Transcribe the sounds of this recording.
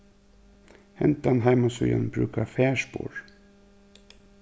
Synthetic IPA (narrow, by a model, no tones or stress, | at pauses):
hɛnt̪anɦaɪmasœja̰nbɾʉ̰ːkafæːʂpo̰ːɹ